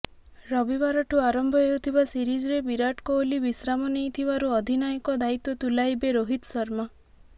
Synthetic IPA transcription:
ɾɔbibaɾɔʈʰuaɾɔmbʱɔewt̪ʰibasiɾid͡ʒɔɾebiɾaʈkɔolibisɾamɔnejt̪ʰibaɾuɔd̪ʱinajɔkɔd̪ait̪ɔt̪ulajbeɾoɦit̪sɔɾma

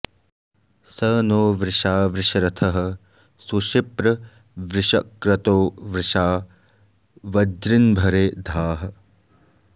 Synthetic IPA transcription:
sɐːnoːʋɾɪʃaːʋɾɪʃɐɾɐt̪ʰɐɦɐ̆ | suʃipɾɐ | ʋɾɪʃɐkɾɐt̪oːʋɾɪʃaː | ʋɐd͡ʒɾinbʱɐɾeːd̪ʱaːɦɐ̆

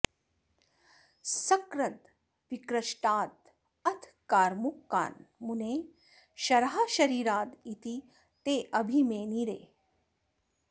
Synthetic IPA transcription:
sɐkɾɐd̪ | ʋikɾɐʃʈaːt̪̚ | ɐt̪ʰkaːɾmukːa̰ːnmuneː | ʃɐɾɦaːʃɐɾiːɾaːt̪it̪i | t̪eːʔɐbʱimeːniɾḛː

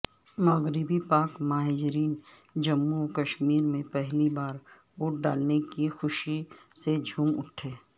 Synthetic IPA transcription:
maɡɾibipaːkmaːɦeːd͡ʒɾiːn | d͡ʒɐmːukəʃmiːɾmẽpɛɦlibaːɾ | oːʈ̚ɖaːlnekixʊʃised͡ʒʱuːmʊ̰ʈʰːeː

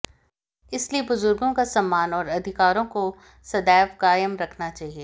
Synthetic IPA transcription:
ɪsliebʊzʊɾɡõkasɐmːaːnɔːɾɐd̪ʱɪkaːɾõko | sɐd̪ɛːfɡaːjəmɾɐkʰnat͡ʃaːɦieː

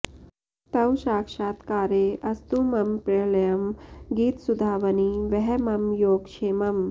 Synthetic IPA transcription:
t̪ɐwʃaːkʂaːt̪kaːɾeːʔɐst̪umɐmpɾelɐjɐmɡiːt̪sud̪ʱaːʋɐniʋɛɦɛmɐmjoːɡʂeːmɐm

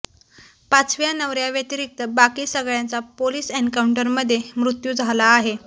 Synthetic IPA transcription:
pat͡sʋjanəʋɾjaʋjət̪iɾik̚t̪əbakiːsəɡɭjant͡sapoliːseɳkauɳʈəɾməd̪ʱːjemɾut̪juːd͡zʱalaːɦe

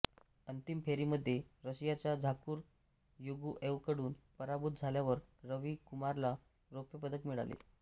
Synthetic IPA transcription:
ənt̪impʰeɾiːməd̪ʱːjeɾəɕjat͡ɕjad͡zʱakuːɾ | juɡuːʔeʋkəɽuːnpəɾabut̪̚d͡zʱaljaʋəɾːəʋiːkumaɾla | ɾopjəpəd̪əkmiɭa̰lḛ

